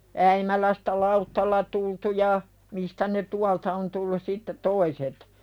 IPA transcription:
æimælæstæ lɑutːɑlːɑ tultu jɑ mistæ ne tuɑltɑ on tulːus sitːe toiset

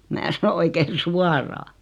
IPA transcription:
mæː sɑno oikein̞ suɑrɑː

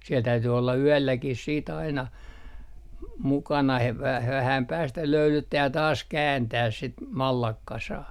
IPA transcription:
siɛl tæyty olːɑ yælːækih siːt ɑinɑ m mukɑnɑ he ʋ ʋæhæm pæːstæ løylytːæː jɑ tɑːs kæːntæːs sit mɑlːɑkːɑsɑː

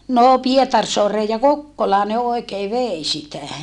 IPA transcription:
noː pietɑrsoɑreːj jɑ kokːolɑː ne oekeː ʋeˑi sitæ

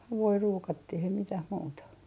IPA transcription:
hɑʋui ruːkɑtːih ei mitæh muːtɑ

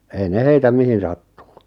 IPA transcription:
ei ne heitæ mihin sɑtːuː

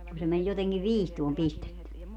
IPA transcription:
ku se men joteŋkiʋ ʋiːstuom pistetːy

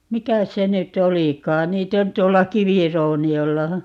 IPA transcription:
mikæs se nytˑ olikɑːn niːtˑ on tuolːɑ kiʋirouniolːɑ

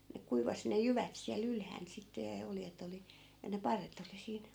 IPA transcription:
ne kuiʋɑsĭ ne jyʋæt siæl ylhæːn sitːe jɑ oljet oli jɑ ne pɑrːet oli siːn

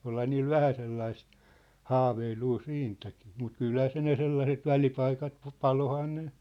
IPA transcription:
olhɑ niːl ʋæhæ selːɑist hɑːʋeiluː siːntæki̥ː mut kylhæ se ne selːɑset ʋælipɑikɑt pɑ pɑlohɑː ne

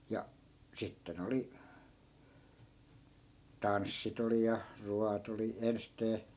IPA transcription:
jɑ sitːen oli tɑnsːit oli jɑ ruɑt oli ensteː

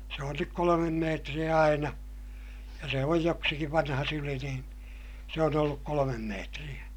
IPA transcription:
se on nyk kolomem meːtrij̆æ ɑinɑ jɑ se oj joksikiʋ ʋɑnhɑ syli niːn se on olːuk kolomem meːtrij̆æ

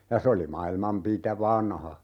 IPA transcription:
jɑ se oli mɑilmɑm pitæ ʋɑnhɑ

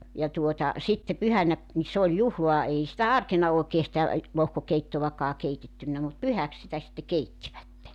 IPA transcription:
jɑ tuotɑ sitːe pyhænæ ni se olʲ juhloɑ ei sitæ ɑrkenɑ oˑekeː sĭtæ lohkokeitːoʋɑkɑː keitetːynːæ mut pyhæk sitæ sitːe keitːiʋætːe

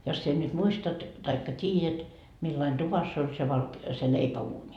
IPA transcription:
jos sie nyt muistɑt tɑikːɑ tʲiːjæt milːɑin tuʋɑsː olʲ se ʋɑlk se leipæuːnʲi

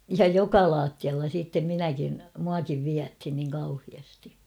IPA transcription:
jɑ jokɑ lɑːtːiɑlːɑ siːtːem minækin muɑkiʋ ʋiæthin niːŋ kɑuhiɑsti

